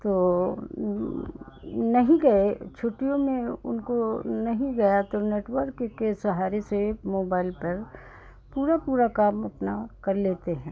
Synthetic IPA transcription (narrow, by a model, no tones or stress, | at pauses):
t̪oː | nɐɦĩɡɐet͡ʃʰʊʈijõmẽʊ̰nkonɐɦĩɡɐjat̪oneːʈʋəɾkkesɐɦaːɾesemoːbaːɪlpɐɾ | puːɾapuːɾakaːmɐpnakɐɾleːt̪eɦɛ̃ː